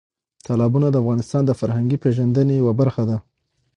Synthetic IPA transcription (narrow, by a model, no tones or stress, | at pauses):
t̪ʰɑlɑbunad̪əafɣɑnɪst̪ɑnd̪əfaɾhaŋɡipeʒand̪ənejawabaɾxad̪a